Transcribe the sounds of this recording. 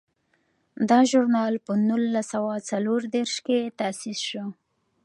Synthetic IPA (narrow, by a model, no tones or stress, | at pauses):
d̪ɑʒʊɾnɑlpənulːasawat͡saloɾd̪eɾʃket̪asisʃo